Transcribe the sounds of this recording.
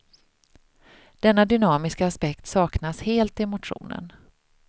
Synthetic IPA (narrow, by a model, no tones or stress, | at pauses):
d̪̥ɛnːad̪ʏnɑːmɪskaːspɛkt̪sɑːknasheːlt̪ɪɛmʊt̪ɧṵːnə̰n